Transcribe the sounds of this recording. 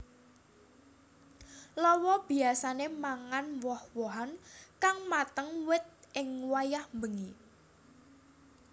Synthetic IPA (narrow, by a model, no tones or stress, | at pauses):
lɔwɔb̥i̤asanemaŋanwɔhwɔɦankaŋmat̪əŋwɪt̪̚ʔɪŋwajahmbəŋi